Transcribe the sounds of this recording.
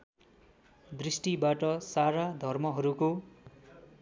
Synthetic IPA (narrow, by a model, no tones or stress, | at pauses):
d̪risʈibaʈʌsaɾad̪ʱʌrmʌɦʌɾuko